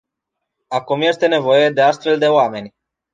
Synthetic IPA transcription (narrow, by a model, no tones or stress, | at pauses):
akumje̞st̪e̞ne̞vo̞je̞d̪e̞ast̪fe̞ld̪e̞oame̞nʲ